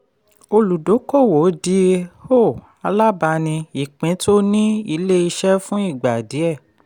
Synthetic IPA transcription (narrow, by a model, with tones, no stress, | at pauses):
o˧lu˨do˨˦ko˦˨wo˨˦di˦o˦˨ | a˧la˦ba˧nĩ˧i˨k͡pĩ˨˦tʰo˦nĩ˦i˧le˦i˧ʃɛ˦fũ˦i˦˨ɡ͡ba˨di˨˦ɛ˦˨